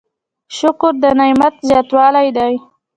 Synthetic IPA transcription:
ʃʊkʊɾd̪ənajmat̪zjɑt̪wɑlajd̪aj

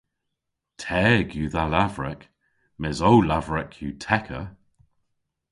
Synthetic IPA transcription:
tʰɛːɡjuːðalavɹɛk | mɛzowlavɹɛkʰjutʰɛkʰə̰

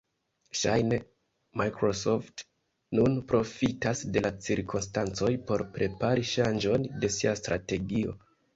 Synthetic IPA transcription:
ʃajne̞ | majkɾo̞so̞ft | nunpɾo̞fitasde̞lat͡siɾkʰonstant͡so̞jpo̞ɾpɾʔe̞paɾiʃand͡ʒo̞nde̞siastɾate̞ɡio̞̰

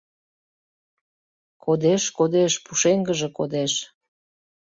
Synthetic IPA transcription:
kod̪eʃkod̪eʃpuʃeŋɡəʒĕkod̪eʃ

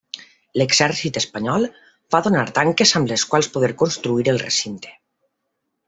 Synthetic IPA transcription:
leɡzɛɾsit̪espaɲɔlˠ | faðonaɾt̪aŋkezamleskwalˠspoðeɾkonst̪ɾuiɾelˠrḛsint̪e̥

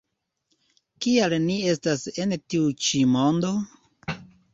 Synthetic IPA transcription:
kialnie̞stase̞ntiut͡ʃimo̞ndo̞

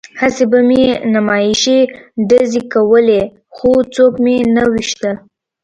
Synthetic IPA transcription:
hasebamenamɑjɪʃeɖazekawəle | xot͡sokmenawiʃt̪ə

